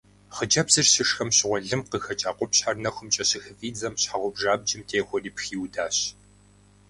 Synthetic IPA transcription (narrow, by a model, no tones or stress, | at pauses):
χəd͡ʒɐbzɨrɕɪʂxɐmɕɪʁʷɔɮɨmqəxɐt͡ʃʼaːqʷʼɔpɕħarnɐxʷʊmt͡ʃʼɐɕɪxɨviːd͡zɐmɕħaʁʷɔbʒaːb̚d͡ʒɪmtʰeːxʷɔriːpxiːwdaːɕ